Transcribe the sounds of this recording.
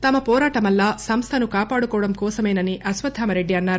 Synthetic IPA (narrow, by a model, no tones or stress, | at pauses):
t̪ɐmɐpɔːɾaːʈɐmɐlːaːsɐmst̪ʰɐnukaːpaːɽukɔːɐɽɐmkɔːsɐmɐjnɐniʔɐsʋɐd̪ʱaːmɐɾe̞ɖːiɐnːaːɾu